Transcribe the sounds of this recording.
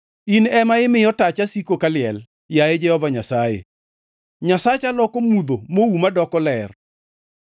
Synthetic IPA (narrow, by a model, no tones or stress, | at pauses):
inɛmaɪmɪjɔtat͡ʃasikokalɪjɛl | jajed͡ʒɛhɔvaɲasajḛ | ɲasat͡ʃalɔkomud̪omoumadɔkɔlɛr